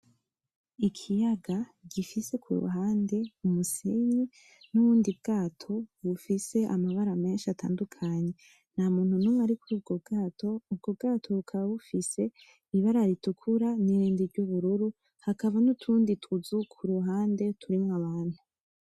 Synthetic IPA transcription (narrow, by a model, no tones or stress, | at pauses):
ikʰijaɡaɟifise̞kʰṵɾṵɦaːnde̞umusiɲi | nuβuːndib̚ɡ̥aːtʰo̞βufise̞ʔamaβaɾame̞ːnʃiatʰa̰ːndukʰaɲe̞ | n̥hamuːn̥hunumwaɾikuɾuːb̚ɡo̞bɡaːtʰo̞ub̚ɡo̞b̚ɡaːtʰoβukʰaβaβufise̞ | iβaɾaɾitukʰuɾaniɾiːndiɾɟuβuɾuɾu | hakaβanutʰuːnditʰuzukʰuɾuɦaːnde̞tʰuɾimŋwaβaːn̥hu